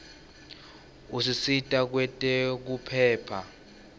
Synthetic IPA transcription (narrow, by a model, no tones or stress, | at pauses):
usisitʼak̬wɛtʼɛk̬upʰɛːpʰa